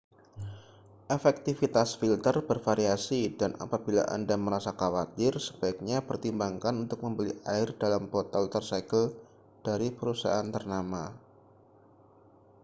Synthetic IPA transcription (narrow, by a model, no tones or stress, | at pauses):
ʔefɛk̚t̪ifit̪asfilt̪ərbərfaɾiasidana̰pabila̰ʔa̰ndaməɾasakawat̪ɪrsəbaɪk̚ɲapərt̪imbaŋkanunt̪ʊk̚məmbəliʔaɪrdalampɔt̪ɛlt̪ərsakəl | d̥aɾipəɾusa̰ʔant̪ərnama